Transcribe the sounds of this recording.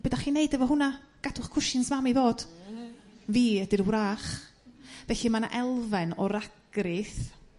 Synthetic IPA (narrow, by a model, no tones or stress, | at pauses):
b̥ədaχineɨdɛvɔɦʊna | ɡ̥adʊχkʰʊʃɪnsmamivoːd̥ | viːədɪrwraːχ | vɛɬimana̰ʔɛlˠvɛnɔɾaɡ̥rɪθ